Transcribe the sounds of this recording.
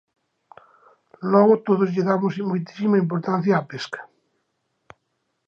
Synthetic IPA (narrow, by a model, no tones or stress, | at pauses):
lɔɣot̪oðozʎeðamosmojt̪i̥simaimp̬oɾt̪an̟θjaːpeskḁ